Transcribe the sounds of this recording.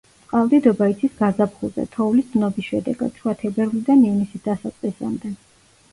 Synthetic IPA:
sʼqʼavd̪id̪ɔbait̪sʰisɡazapʰχuzɛ̰t̪ʰɔulisd̪nɔbisʃɛd̪ɛ̰ɡa̰d̪̥sʰuat̪ʰɛbɛɾlid̪anivnisisd̪̥asat̪sʼqʼisa̰md̪ɛ

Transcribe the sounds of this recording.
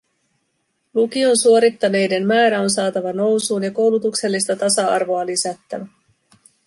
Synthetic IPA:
lukio̞nsuo̞ɾit̪ːɑne̞jde̞nmæːɾæo̞nsɑːt̪ɑʋɑno̞wsuːnjɑko̞wlut̪ukse̞lːist̪ɑt̪ɑsɑɑ̰rʋo̞ɑlisæt̪ːæ̰ʋæ

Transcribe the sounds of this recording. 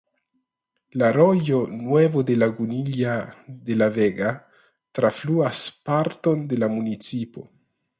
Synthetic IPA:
laɾo̞jo̞nwe̞vode̞laɡuniliade̞laveɡa | tɾafluaspaɾto̞nde̞lamunit͡sipo̞̰

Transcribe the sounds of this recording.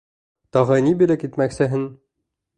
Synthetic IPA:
t̪ɒʁɤnibilɘkit̪mæksɘ̆ɦɘn

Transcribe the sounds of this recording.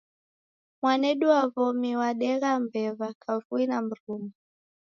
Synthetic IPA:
mwanɛɗuwavɔmiwaɗɛɣambɛvakʰavuinam̩ɾuma

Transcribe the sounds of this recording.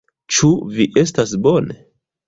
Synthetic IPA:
t͡ʃuviʔe̞stasbo̞ne

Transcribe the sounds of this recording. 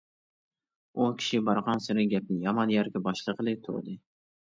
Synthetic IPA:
ukʲʰi̥ʃɪbɑɾʁɑnsɪɾɪɡʲɛp̚nɪjɑmɑnjæɾkʲɛbɑʃlˠɨqəlˠɨt̪ʰʊ̰d̪ɪ

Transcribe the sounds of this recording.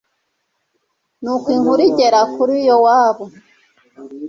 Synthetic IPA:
nukwiŋhuɾiɟeɾakʰuɾijowaːβo

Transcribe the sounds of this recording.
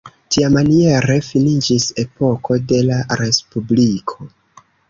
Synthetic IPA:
tiamanie̞ɾe̞finid͡ʒise̞po̞ko̞de̞laɾe̞spublikʰo̞

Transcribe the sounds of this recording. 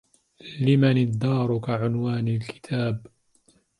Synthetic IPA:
lɪmanɪd̪ːɑːɾˤʊkaʕʊnwaːnalkɪ̥t̪ʰaːb

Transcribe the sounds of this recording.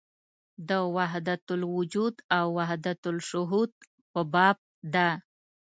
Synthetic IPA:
d̪əwaɦd̪at̪ʊlwʊd͡ʒud̪awːahd̪at̪ʊlʃʊɦud̪̚ | pəbɑb̚d̪a

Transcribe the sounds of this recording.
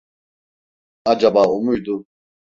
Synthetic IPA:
ad͡ʒabaːumujd̪u

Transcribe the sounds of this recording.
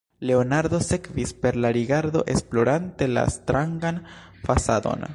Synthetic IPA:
le̞onaɾd̪o̞se̞kvispe̞ɾlaɾiɡaɾd̪o̞ʔe̞splo̞ɾante̞la̰st̪ɾaŋɡan | fasad̪o̞̰n

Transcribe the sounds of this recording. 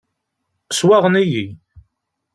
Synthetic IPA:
swaʁəniji

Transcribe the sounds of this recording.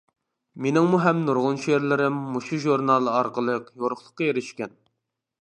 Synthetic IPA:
menɪŋmuɦɛmnuɾʁʊnʃeɾlɪɾɪmːuʃuʒuɾnɑlˠɑɾqəlˠəqjoɾʊχlˠə̥qːɑjeɾɪʃkʲɛn

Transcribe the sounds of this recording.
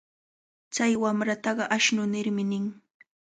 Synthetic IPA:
t͡sajwamɾat̪ɑɢɑʔaʃnʊnɪɾmɪnɪŋ

